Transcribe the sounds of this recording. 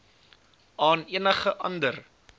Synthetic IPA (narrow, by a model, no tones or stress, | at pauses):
ɑːniənəχəʔɐndər